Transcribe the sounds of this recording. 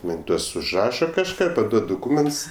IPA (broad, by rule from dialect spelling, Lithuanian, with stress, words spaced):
ˈmɐnʲ ˈtuɔs ʊʒˈrɑːʃɐ kɐʃˈkɑː pɐˈduɔt dʊˈkuːmʲɛnts